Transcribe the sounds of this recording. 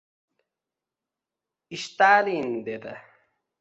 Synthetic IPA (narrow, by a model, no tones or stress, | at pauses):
iɕt̪aːliːnd̪ed̪ɐ